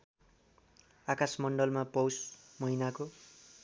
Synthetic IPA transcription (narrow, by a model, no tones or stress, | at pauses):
akasmʌɳɖʌlmapʌwsmʌɦinako